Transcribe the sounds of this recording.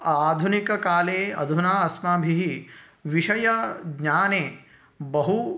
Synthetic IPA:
aːd̪ʱunikɐkaːleːɐ̰d̪ʱunaːɐsmaːbʱiɦi | ʋiʂɐjɐɡɲaːneː | bɐɦu

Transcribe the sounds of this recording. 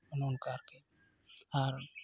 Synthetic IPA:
nonkaɾke | aɾ

